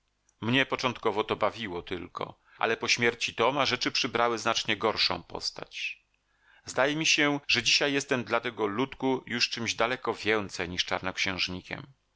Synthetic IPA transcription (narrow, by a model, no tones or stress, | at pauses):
mɲɛpɔt͡ʂɔnt̪kɔvɔt̪ɔbavʲiwɔt̪ɘ̰lkɔ̰ | ʔa̰lɛpɔɕmʲjɛɾt͡ɕit̪ɔmaʐɛt͡ʂɘpʂɘbɾawɘznat͡ʂɲɛɡɔɾʂɔ̰̃w̃pɔ̰st̪a̰t͡ɕ | zd̪ajɛmʲiɕɛʐɛd͡ʑiɕajːɛst̪ɛmd̪lat̪ɛɡɔlut̪kujuʂt͡ʂɘmʑd̪alɛkɔvʲjɛnt̪sɛjɲiʂt͡ʂa̰ɾnɔkɕɛ̃w̃ʐɲikʲɛ̰m